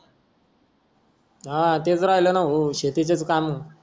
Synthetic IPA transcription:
at̪̬ed͡zoɾajlənaɦoɕet̪it͡ɕet͡skam

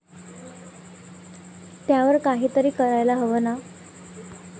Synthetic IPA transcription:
t̪jaʋəɾkaɦiːt̪əɾiːkəɾajlaɦəʋəna

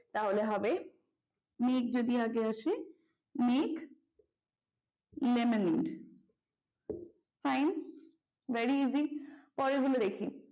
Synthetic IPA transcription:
t̪aɦoleɦabe | meːk̚d͡ʑod̪iaɡeaʃe | mek | lemeniɖ | fajn | vɛɾiizipɔɾeɡulod̪ekʰi

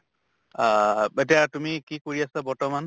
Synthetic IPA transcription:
et̬iatumikikoɹiasabɔɹtɔman

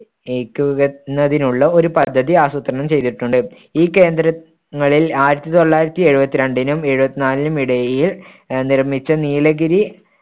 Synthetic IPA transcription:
eːkʲːuɣɐnːɐðinuɭːɐo̞ɾupɐd̪ʱːɐðiaːsut̪ːrɐɳɐmt͡ɕe̞jt̪iʈːuɳɖɨ | iːkːe̞ːnd̪ɾɐ | ŋːɐɭilaːjiɾɐt̪ːit̪o̞ɭːaːjiɾɐt̪ːie̞ɻubɐt̪ːiɾe̞ɳɖinume̞ɻubɐt̪ːinaːlinumiɽɐjjil | nirɐmit͡ɕːɐniːlɐɡiɾi

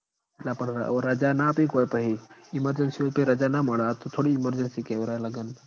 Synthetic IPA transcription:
lɐpən̰oɾɾɐd͡ʒanapikoːepəɦiɪməɾd͡ʒənsiopeɾɐd͡ʒanamɐɽat̪ot̪ʰoːɽiːməɾd͡ʒənsikeʋɾaləɡən

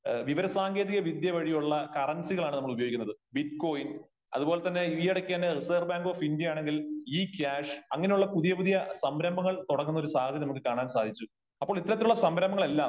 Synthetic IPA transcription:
ʋiʋɐɾɐsaːŋɡe̞ːðiɣɐʋid̪jɐʋɐɻijuɭːɐkɐrɐnsiɣɐɭaːɳnɐmːɐɭubɐjoɡikʲːunːɐðɨbiʈko̞ːjin | ɐ̰ðubo̞ːle̞t̪ɐnːe̞iʋjɐɽɐkʲːaːnriseːrbaːŋɡo̞ːfindijɐjaːɳe̞ŋɡiliːkʲaːʂɐŋːɐne̞juɭːɐpuðijɐpuðijɐsɐmɾɐmbɐŋːɐɭt̪uɽɐkːunːɐoɾusaːɡɐd̪ʱjɐmnɐmukːɨkaːɳaːnsaːd̪ʱit͡ɕːu | ɐpːoːɭit̪ːɐɾɐt̪ːiluɭːɐsɐmbɾɐmbɐŋɐɭe̞lːaː

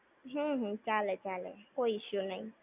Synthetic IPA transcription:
ɦũɦ̩t͡ʃalet͡ʃalḛkoiʃjunãĩ

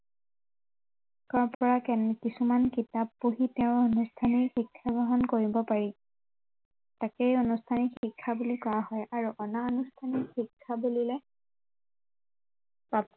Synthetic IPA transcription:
kɔɹpɔɹakɛnkisumankitabːoɦiteʊ̃onustʰaniɹxikʰːabʱɔɦɔnkoɹibɔpaɹi | takeonustʰanixikʰːabulikɔɹaɦɔjʔaɹuʔɔnaonustʰanixikʰːabulilɛ | pap

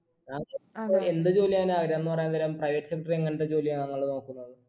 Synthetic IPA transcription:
naːŋe̞nd̪ɨd͡ʑo̞ːlijaːnɨaːɡɾjɐenːɨpɐrɐjnːt̪ɐlaːmprɐjʋɐʈːɨ̥sekːɐʈɐreŋːɐɳʈed͡ʑo̞ːlijɐnɐŋːɐɭːenoːkːunːoɭːɨ

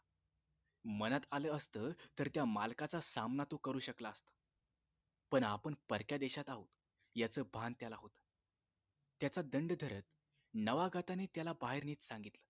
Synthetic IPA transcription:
mənat̪aləːəst̪əːt̪əɾt̪jamalkat͡sasamnat̪okəɾuːɕəklaəst̪ə̥ | pəɳapəɳpəɾkjad̪eɕat̪aɦot̪ | jat͡səːbʱant̪jalaɦot̪ | t̪ːjat͡sad̪əɳɖd̪ʱəɾət̪̚ | nəʋaɡat̪anet̪jalabaɦeɾniːt͡s̪sãŋɡit̪lə

